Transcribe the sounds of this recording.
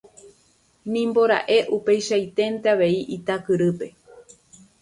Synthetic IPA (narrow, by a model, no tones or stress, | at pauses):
nĩmbo̞ɾa̰ʔe̞ʔupe̞jʃajt̪e̞nt̪eaʋe̞iʔit̪akɨɾɨpe̞